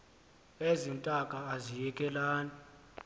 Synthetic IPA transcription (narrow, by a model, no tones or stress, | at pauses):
ezin̩tʼakʼaːzijɛkʼɛlaːnɛ